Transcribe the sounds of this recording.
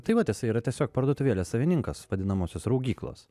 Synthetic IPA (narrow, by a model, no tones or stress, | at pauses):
t̪ɐɪʋɐt̪ʲɪsɐɪiːɾɐt̪ʲiɛsʲoːk̚pɐɾd̪uɔt̪ʊʋʲeːlʲeːssɐʋʲɪnʲɪŋkɐsʋɐd̪ʲɪnɐmoːsʲoːsɾɐʊɡʲiːklˠo̰ːs